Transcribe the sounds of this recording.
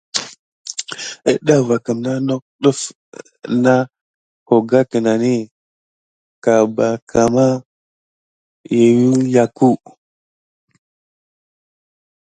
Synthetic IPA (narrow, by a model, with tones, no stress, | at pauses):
ə̰˨ɗa˦va˨ka˨mna˦no˦k̚ɗə˦f | na˦ | ko˨ɡa˦kə˨na˨ni˦ | ka˨ba˨kʰa˨ma˦ | je˨wi˦ja˨ku˦˨